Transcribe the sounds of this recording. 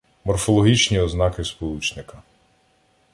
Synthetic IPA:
mɔrfɔlˠɔɦʲit͡ʃnʲiɔznɑkɪspɔlˠut͡ʃnɪkɐ

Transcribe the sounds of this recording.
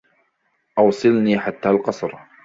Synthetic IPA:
ʔɑwsˤɨlniːħat̪ːaːlqɑsˤɾ

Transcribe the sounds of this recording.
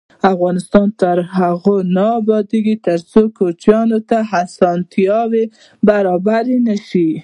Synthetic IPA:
afɣɑnɪst̪ɑnt̪əɾɦaɣonaːbɑd̪eɡit̪əɾt͡sokot͡ʃjɑnot̪aɦasɑnt̪ijɑwe | baɾɑbaɾenaʃi

